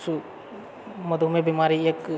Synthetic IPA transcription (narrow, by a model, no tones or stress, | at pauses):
su | mɐd̪ʱumẽbimaːɾieːk